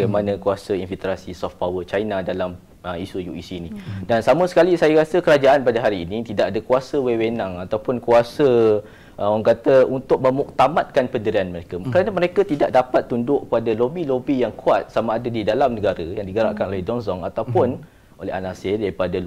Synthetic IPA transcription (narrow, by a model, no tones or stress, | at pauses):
ɡajmanə̃kuasəinfilt̪ɾasisɔft̪̚pawət͡ʃainadalam | əisujuḭsiːnĩdansaməsə̥kalisajaɾasəkəɾad͡ʒaʔanpadaɦaɾiːnĩt̪idaʔadakuasəwewenaŋat̪awpʊnkuasə | ʔŋkat̪əunt̪ʊk̚mə̃muk̚t̪amat̪̚kanpəndəɾianməɾekakəɾanəməɾekat̪idaʔ̚dapat̪ːundʊʔkəpadalobilobijaŋkuat̪̚samaːdadidalamnəɡaɾəjaŋdiɡəɾa̰ʔkanʔolɛhdɔnsɔŋat̪awpʊn | ʔolɛ̰ɦa̰nasedaɾipada